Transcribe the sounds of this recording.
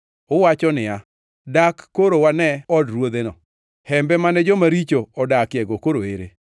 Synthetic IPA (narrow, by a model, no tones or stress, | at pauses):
ʊwat͡ʃɔnɪa | dakːoɾowanɛɔdɾwod̪enɔ̰ | hɛmbɛmanɛd͡ʒɔmaɾit͡ʃoɔdakjɛɡokoɾoeɾḛ